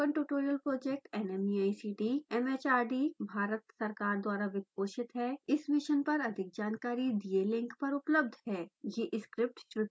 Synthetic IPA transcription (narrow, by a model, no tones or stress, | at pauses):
kə̃ɳʈuːʈoːɾijəlpɾoːd͡ʒek̚ʈɛnemiaːisiːʈiːɛmeːt͡ʃaːɾɖiːbʱaːɾət̪sɐɾkaːɾd̪waːɾaʋɪk̪̚koːʃɪt̪ɦɛːɪsmɪʃənpɐɾɐd̪ʱɪk̚d͡ʒaːnkaːɾid̪ielɪ̃ŋkpɐɾʊpləb̚d̪ʱɦɛːjeʔɪskɾɪp̚ʈʃɾʊt̪